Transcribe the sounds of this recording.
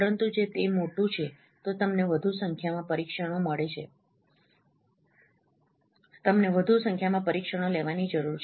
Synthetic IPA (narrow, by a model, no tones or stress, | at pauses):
əɾənt̪ud͡ʒet̪emoʈũt͡ʃʰe | t̪ot̪əmneʋəd̪ʱusəŋkʰjamãpəɾikʃəɽ̃oməɭet͡ʃʰḛ | t̪əmneʋəd̪ʱusə̃ŋkʰjamãpəɾikʃəɽ̃oleʋanid͡ʒəɾuɾt͡ʃʰ